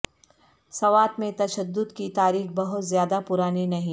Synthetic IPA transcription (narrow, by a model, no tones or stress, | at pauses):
sɐʋaːt̪mẽt̪ɐʃəd̪ːʊd̪kit̪aːɾiːxbɐɦʊt̪zjaːd̪apʊɾaːninɐɦĩ